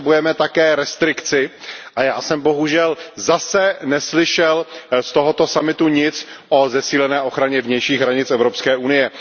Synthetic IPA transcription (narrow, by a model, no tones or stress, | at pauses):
bujɛmɛt̪akɛːɾɛst̪ɾɪkt͡sɪʔajaːsɛmboɦuʒɛlzasɛnɛslɪʃɛlst̪oɦo̞t̪o̞samɪt̪uɲɪt͡sʔo̞zɛsiːlɛnɛːʔo̞xɾaɲɛvɲɛjʃiːɣɦɾaɲɪt͡sʔɛvɾopskɛːʔunɪjɛ